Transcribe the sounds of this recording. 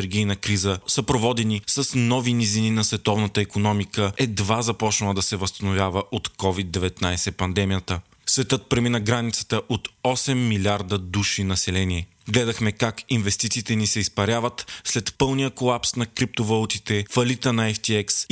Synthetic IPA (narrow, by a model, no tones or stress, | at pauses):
ɛɾɡʲijnəkɾizəsəpɾovɔd̪ɛnisəsnɔvinizininɐsvɛt̪ɔvnət̪əɛkonɔmikəɛd̪vazɐpɔt͡ʃnəlˠəd̪ɐsɛvəst̪ɐnovʲjavəʔot̪kɔvid̪ːɛvɛt̪najsɛpɐnd̪ɛmijət̪ə | svɛt̪ɤt̪̚pɾɛminəɡɾanit̪sə̥t̪əʔot̪ɔsɛmːilʲiaɾd̪əd̪uʃinɐsɛlɛniɛ | ɡlɛd̪ɐxmɛkakinvɛst̪it̪siːt̪ɛnisɛispɐɾʲavət̪slɛt̪pɤlˠnijəkolˠapsnɐkɾip̚t̪ovɐlˠut̪it̪ɛfɐlit̪ənɐɛft̪iɛks